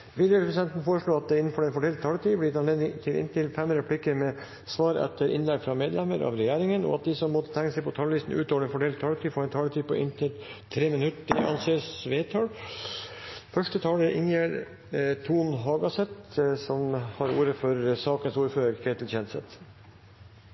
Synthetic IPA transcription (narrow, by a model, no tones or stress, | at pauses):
ʋɪd̪jəppɾəsɪd̪ɛnt̪n̩foːɾəʂɭoːɑt̪̚d̪ɛɪnːn̩fɔɾɛnfɔɖɛlt̪̚t̪ʰːɑːlət̪ʰyːb̪ɪɪt̪ɑnleːd̪nɪŋt̪ʰɪlɪ̰nt̪ʰɪlfɛməɾəpʰlɪkːəɾmɛ | sʋɑːɾɛ̰t̪ʰːəɾʔɪ̰nlɛɡfɾɑmeːd̪lɛməɾʔɑ̰ʋɾɛjæːɾɪŋənɔ̰ɑt̪̚d̪ɪsɔmːɔt̪ːə̥t̪ʰæŋːəsɛɪpʰɔt̪ʰɑːlʋiːst̪n̩ʔʉ̰ːt̪oːɛnfɔɖɛlt̪t̪ʰːɑːlət̪ʰyːfoːɾɛnt̪ʰɑːlət̪ʰyːpʰɔ̰ʔɪnt̪ʰɪlt̪ʰɾeːmɪnʉt̪əʔɑ̰nseːsʋeːt̪ʰɑːl | fœʂʈət̪ʰɑːləɾʔɪ̰ŋjæɾ | t̪ʰuːnɦɑːɡɑsɛt̪sɔmhɑɾuːɾəfɔɾsɑːkənsuːɾføːɾəɾkʰɾet̪l̩çɛnsɛ̰t̪